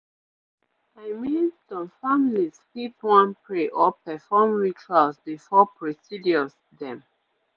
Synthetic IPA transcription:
aɪmĩnstɔ̃mfamiliskipwãnpɹeʔɔpɛfɔmɹit͡ʃalsbifɔpʰɹɔsidiɔs | dɛ̃m

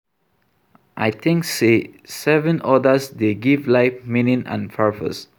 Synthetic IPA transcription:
ʔajt̪ʰĩŋksesɛvə̃nɔdəsdeɡivlaɪfmĩnĩnã̰nfʰafə̰s

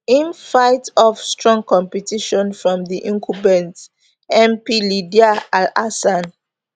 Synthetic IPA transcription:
ĩnfaɪtɔfstɹɔ̃ŋkʰɔ̃mpɛtiʃɔ̃nfɹɔ̃mðiʔĩŋkʰubɛ̃nt | ɛ̃mpilidiaalasãn

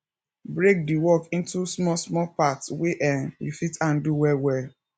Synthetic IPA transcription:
bɹek̚diwɔkĩntusmɔsmɔpatsweʔãnjṵfitãnduwɛwɛ

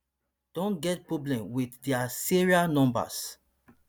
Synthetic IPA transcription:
d̥ɔ̃nɡɛt̚pɹoblɛ̃mwiddiasiɹianɔ̃mba̰s

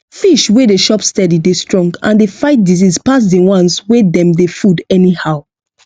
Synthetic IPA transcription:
fiʃwedeʃɔpstɛdidestɹɔ̃ŋɡã̰ndefaɪt̚dizispas̬dewãnswedɛ̃mdefudɛnihaʊ

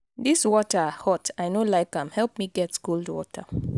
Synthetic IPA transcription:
diswɔtəhɔtaɪnolaɪkãmhɛlˠp̚miɡɛtskuldwɔ̰tʰə

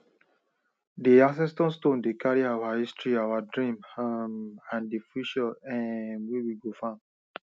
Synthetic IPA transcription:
diãs̬ɛ̃stɔ̃nstõndekaɹiawahistɹiawadɹĩmamãndifiʃəɛ̃nwiwiɡofã

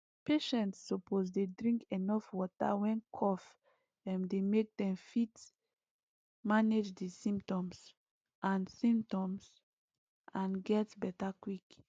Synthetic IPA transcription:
peʃɛ̃ntsːɔposdedɹĩŋkenɔfwɔta̰wɛ̃nkʰɔf | ɛ̃mdemek̚dɛ̃mfit | maned͡ʒdisĩmp̚tɔ̃ms | ʔãnsĩmp̚tɔ̃ms | ʔãnɡɛtbɛtakwik

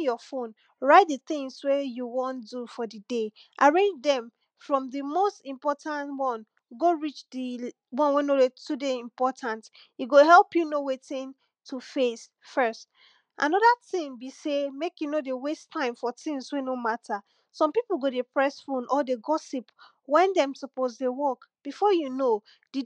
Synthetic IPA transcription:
jɔfõn | ɹaɪt̚dəθĩŋswejuwɔ̃ndufɔdədeʔaɹẽnd͡ʒdɛ̃m | fɹɔ̃mdɨmostĩmpɔtʰãntwɔ̃n | ɡoɹit͡ʃdi | wɔ̃nwɛ̃noetudeĩmpɔtʰãnt | iɡoɦɛlˠpjunowetĩn | tʰufes | fɜst | ʔã̰nɔðatĩmbisemekjunodewestʰːãɪ̃mfɔtĩnswenomatʰa | sɔ̃mpipl̩ˠɡodepʰɹɛsfõnʔɔdeɡɔsip | wɛ̃ndɛ̃msɔpozdewɔkb̥ifɔjuno | d̥i

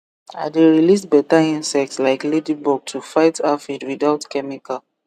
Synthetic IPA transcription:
a̰deɹilisbɛtaĩnsɛk̚tslaɪkledibɔɡ̚tʰufaɪtafidwidaʊtkɛmika

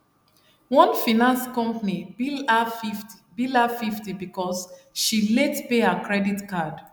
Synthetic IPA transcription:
wɔ̃nfinãnskɔ̃mpanibilafifti̥bilafiftibikɔsʃilɛtpeakɹɛditkad

